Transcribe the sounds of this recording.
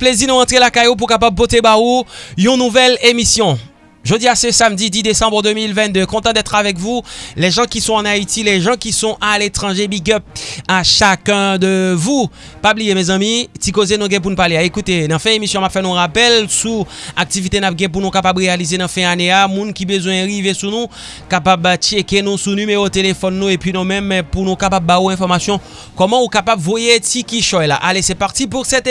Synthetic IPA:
plezinũʁɑ̃t̪χelakajop̬ukapab̚pot̪ebaojɔ̃nuvɛlemisjɔ̃ | ʒød̪iasesamd̪id̪id̪esɑ̃bʁəd̪ømilvɛ̃t̪d̪økɔ̃t̪ɑ̃d̪ɛt̪χavɛk̬vulɛʒɑ̃kisɔ̃ɑ̃nait̪ilɛʒɑ̃kisɔ̃ʔalet̪ʁɑ̃ʒebiɡœp̚aʃakɛ̃d̪əvu | pablijemɛzɑ̃mĩt̪ikozenũɡɛ̃p̬unupaʁleaekut̪enɑ̃fɛ̃emisjɔ̃amapfɛnũʁapɛlsuak̚t̪ivit̪enap̚ɡɛ̃p̬unũkapabʁealizenɑ̃fɛ̃aneamũnkibəzwɛ̃ʁivesunũ | kapabt͡ʃekenũsunymeʁot̪elefɔnːũepɥinũmɛ̃mpunũkapabːaoɛ̃fɔʁmasjɔ̃ | kɔmɑ̃ukapabvojetikiʃɔjla̰ʔalesɛpaʁt̪ip̬uʁsɛt̪

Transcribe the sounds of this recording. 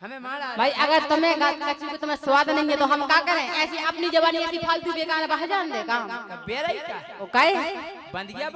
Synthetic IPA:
bʱaːiʔɐɡəɾt̪ɐmẽɡakɐt͡ʃʰikot̪ɐmẽsʋaːd̪nɐɦĩẽt̪oɦɐmkakəɾẽʔɛːsiʔɐpnid͡ʒɐbaːniet̪ipʰaːlt̪ibeːkaːnebaɦd͡ʒaːnd̪eka | kaːe

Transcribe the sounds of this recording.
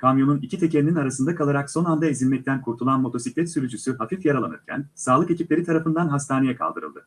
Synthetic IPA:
kʰamjo̞nunicʰit̪ʰecʰelʲininaɾasɯnd̪akʰalˠaɾakso̞nand̪aezilʲmɛc̚t̪ʰænkʰuɾt̪ʰulˠanmo̞t̪ʰo̞siclʲɛt̪syɾyd͡ʒysyɦafifjaɾalˠa̰nɯɾcʰæ̰nsaːlˠɯkeciplʲe̞ɾit̪ʰaɾafɯnd̪anɦast̪ʰaːne̞jɛkʰa̰lˠd̪ɯ̰ɾɯ̰lˠd̪ɯ̰

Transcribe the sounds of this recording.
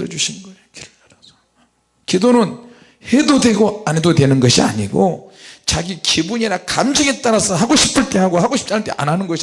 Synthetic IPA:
ɾʌd͡ʑuɕʰinnɡʌ | kiɾɯaɾaso̥ | kidonɯn | he̞dodwe̞ɡoanedodwe̞nɯnɡʌɕʰia̰ɲiɡo̰t͡ɕaɡikibuɲiɾakamd͡ʑʌŋet͈aɾasʰʌɦaɡoɕʰi̥pʰɯɭt͈eɦaɡoɦaɡoɕʰi̥p̚t͡ɕ͈aɭt͈ḛʔa̰nɦanɯnɡʌɕʰi

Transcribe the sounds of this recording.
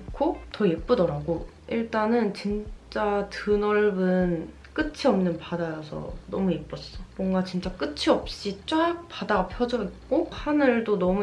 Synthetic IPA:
kʰotʌip͈ɯdʌɾaɡo | iɭt͈anɯnt͡ɕint͡ɕ͈atɯnʌɭbɯn | k͈ɯt͡ɕʰiʌmnɯnpadajʌsʰʌ̰nʌmuip͈ʌs͈ʌmwʌŋɡat͡ɕint͡ɕ͈ak͈ɯt͡ɕʰiʌp̚ɕ͈it͡ɕ͈ajak̚p͈adaapʰjʌd͡ʑʌk͈ohanɯɭdonʌmu

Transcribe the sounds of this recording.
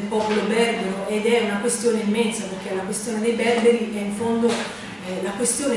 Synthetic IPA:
lpɔːpolobɛrbeɾoed̪ɛunakwest̪joːneimːɛnsaperkelakwest̪joːned̪ejbɛrbeɾiʔɛiɱfond̪o | lakwest̪joːne

